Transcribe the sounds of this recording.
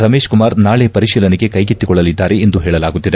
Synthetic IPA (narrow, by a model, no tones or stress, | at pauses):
ɾɐme̞ːʃkumaːɾnaːɭepɐɾiʃiːlɐnɛɡekɐjɡit̪ːikɔɭːɐlid̪ːaːɾeːnd̪uɦeːɭɐlaːɡut̪ːid̪e